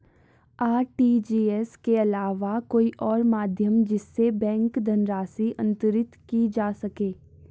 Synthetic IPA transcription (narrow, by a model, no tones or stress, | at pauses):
aːɾʈiːd͡ʒiːɛskeɐlaːʋakoːiʔɔːɾmaːd̪ʱjəmd͡ʒɪsːebɛ̃ːŋkd̪ʱɐnɾaːsiʔɐ̰̃nt̪əɾɪt̪kid͡ʒaːsɐkeː